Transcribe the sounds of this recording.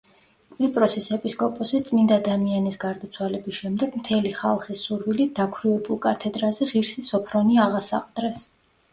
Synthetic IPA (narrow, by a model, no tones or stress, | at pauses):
kʼlipʼɾɔsisɛpʼiskʼɔpʼɔsit̪sʼmind̪aːd̪amianisɡaɾd̪at̪sʰwalɛbisʃɛmd̪ɛɡ̥mt̪ʰɛliχa̰lˠχisːuɾvilid̪̥akʰwɾivɛbulˠkʼat̪ʰɛd̪ɾazɛʁiɾsisɔpʰɾɔniaʁasa̰qʼd̪̥ɾɛs